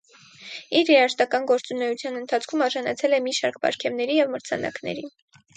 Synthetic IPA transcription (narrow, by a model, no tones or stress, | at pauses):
iɾjɛɾɑʃt̪ɑkɑnɡɔɾt͡sunɛjut͡sʰjɑnənt̪ʰɑt͡sʰkʰumɑɾʒɑnɑt͡sʰɛlɛmiʃɑɾkbɑ̰ɾkʰɛvnɛɾijɛvməɾt͡sʰɑ̰nɑ̰knɛ̰ɾi